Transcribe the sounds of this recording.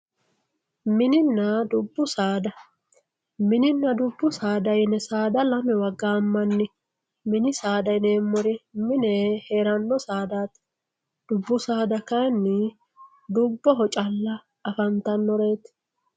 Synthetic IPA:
mɪnɪnːɐd̪ʊbːʊsaːd̪ɐ | mɪnɪnːɐd̪ʊbːʊsaːd̪ɐjnɛsaːd̪ɐlɐmɛwɐɡːaːmːɐnːɪ | mɪnɪsaːd̪ɐjneːmːɔɾɪmɪnɛhe̞ːɾɐnːɔsaːd̪aːt̪ | d̪̥ʊbːʊsaːd̪ɐkɐnːɪ | d̪ʊbːɔɦɔt͡ʃʼɐlːɐː | fɐnt̪ɐnːɔɾe̞ːt̪

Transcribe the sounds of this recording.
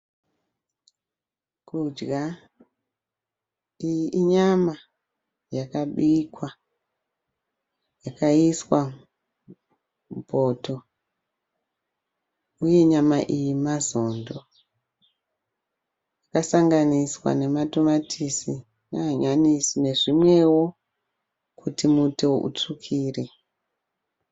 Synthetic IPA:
kud͡ʒɡa | ijiʔiɲama | jakaɓikwa | jakaiswa | mupo̞to̞ | uje̞ɲamaʔijimazo̞ːndo̞ | jakasaŋɡaniswa̰ne̞matomatʰisi | naːɲanisine̞ʐimwe̞wo̞ | kʰutimuto̞ʔṵt͡ʂukʰiːre

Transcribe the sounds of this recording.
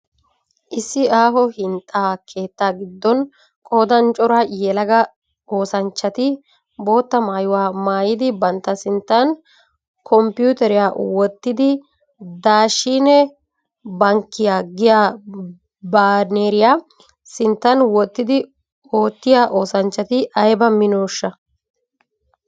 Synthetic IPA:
ʔɪsːɪaːɦɔhɪnt̪ʼɐkʰe̞ːt̪ːaːɡɪd̪ːɔn | kʼo̞ːd̪ɐnt͡ʃʼɔɾaːjɛlɐɡɐ | o̞ːsɐnt͡ʃːɐt̪ɪ | bo̞ːt̪ːɐmaːjʊwaːmaːjɪd̪ɪbɐnt̪ːɐsɪnt̪ːɐn | kʰɔmpɪjuːt̪ɛɾɪjaːwɔt̪ːɪd̪ɪ | d̪aːʃːiːnɛ | bɐŋkːɪjaːɡɪjaː | baːɾneːɾɪjaː | sɪnt̪ːɐnwɔt̪ːɪd̪ɪ | o̞ːt̪ːɪjaːʔo̞ːsɐnt͡ʃːɐt̪ɪʔɐjbɐmɪnoːʃːɐ

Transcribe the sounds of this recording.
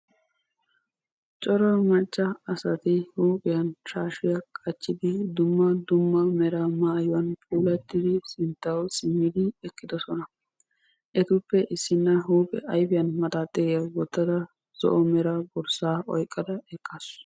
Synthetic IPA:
t͡ʃʼɔɾɐmɐt͡ʃʼːɐɐsɐt̪ɪhuːpʼɪjɐnʃaːʃɪjɐkʼɐt͡ʃːɪd̪ɪd̪ʊmːɐd̪ʊmːɐmɛɾɐmaːjʊwɐnpʼuːlɐt̪ːɪd̪ɪsɪnt̪ːɐwsɪmːɪd̪ɪɛkːɪd̪ɔsɔnɐ | ʔɛt̪ʊpːɛʔɪsːɪnːɐɦuːpʼɛ̰ʔɐjbɪjɐnmɐt̪aːt̪ʼːɛjɐwɔt̪ːɐd̪ɐ | z̥ɔ̰ʔɔmɛɾɐbɔɾsaːʔɔjkʼːɐd̪ɐɛkʼːas

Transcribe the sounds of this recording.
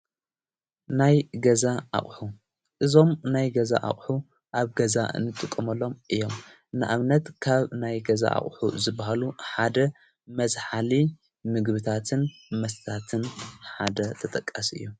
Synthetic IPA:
najɡɐzaʔa̰χʼħu | ʔɨzo̞mnajɡɐza̰ʔa̰χʼħu | ʔaβɡɐza̰nɨt̪ʼɨkʼːɐmɐlːo̞mʔɨjːo̞m | nɨʔaβnɐt̪kʰaβnajɡɐza̰ʔa̰χʼħuzɨbːahaluħad̪ɐ | mɐzħali | mɨɡβɨt̪ʰat̪ʰɨnmɐst̪ʰat̪ʰɨnħad̪ɐt̪ʰɐt̪ʼɐkʼːasʔɨ̰jːu

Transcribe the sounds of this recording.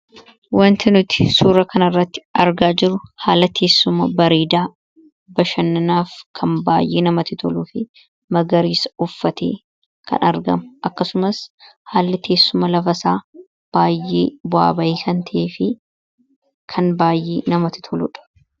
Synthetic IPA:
wɐnt̪ɪnʊt̪ɪ̥suːɾɐkɐnɐrːɐt̪ːɪ̥ɐɾɡaːd͡ʒɪɾʊhaːlɐt̪ʰe̞ːsːʊmɐbɐɾiːd̪aː | bɐʃɐnːɐnaːfkʰɐnbaːjʔeːnɐmɐt̪ɪt̪ʰɔluːfɪ | mɐɡɐɾiːsɐʊfːɐt̪ḛː | kʰɐ̰nɐɾɡɐ̰mʊʔɐkːɐsʊmɐshaːlːɪt̪ʰe̞ːsːʊmɐlɐfɐsaː | b̥aːjʔːḛːbʊa̰ːbɐjɪsɐnt̪ʰɐʔeːfɪ | kʰɐnbaːjʔeːnɐmɐt̪ɪ̥t̪ʰɔlʊ̰ᶑɐ̥

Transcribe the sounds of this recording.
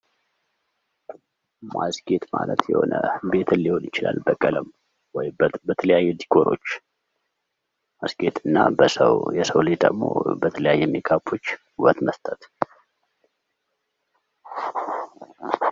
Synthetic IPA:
mʔasɡʼe̞t̪malət̪jɛ̰ho̞̰nəbe̞t̪ʰɨnːiho̞nɪt͡ʃɪla̰lːbəkʼːələm | wɔjbət̪ʰələjajːɛd̪iɡʰo̞ɾo̞̰t͡ʃː | masɡe̞t̪ɨnːabəsəjɛsəwlɨd͡ʒd̪əɡmo̞̰bət̪ʰələjajːɛmːekʰapʰo̞t͡ʃː | uβət̪məst̪ʼət̪

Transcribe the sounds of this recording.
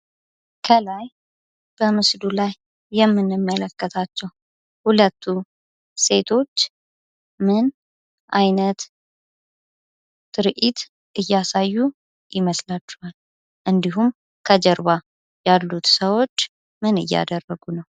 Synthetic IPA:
kʰəlaj | b̥əmɨsd̪ulajː | ɛmːɨnɨmːələkːət̪ʰat͡ʃːɛw | hulət̪ʰːu | se̞t̪ʰo̞t͡ʃː | mɨn | ʔajnət̪ | ɨɾʔit̪ | ʔɨjːasajːu | jɪməslat͡ʃːɛhal | ʔɨnd̪iɦum | kʰəd͡ʒəɾβa | jalːut̪səwo̞t͡ʃː | mɨnɨ̰jːa̰d̪ərːəɡunəw

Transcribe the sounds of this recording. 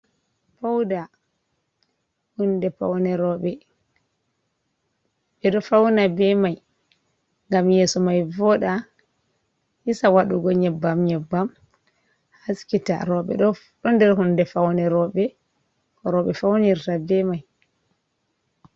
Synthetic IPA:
pawda | hundɛpa̰wnɛɾɔɓɛ | ɓɛɗɔfawnabɛmaj | ŋɡamjeːsɔmajvɔɗa | hisawaɗuɡɔɲɛbːamɲɛbːam | haskita̰ɾɔɓɛ̰ɗɔ | ɗɔndɛɾhundɛfawnɛɾɔɓɛ | kɔɾɔɓɛfawniɾtabɛmaj

